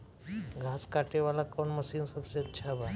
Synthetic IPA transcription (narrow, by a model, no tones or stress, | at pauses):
ɡʱaːskaʈeʋalakɔːɳməsiːnsəbseətːʃʰabʱat̪